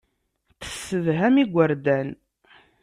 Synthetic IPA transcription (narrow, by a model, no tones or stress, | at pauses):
θə̥sːəvɦæmiɡʷːəɾd̪æn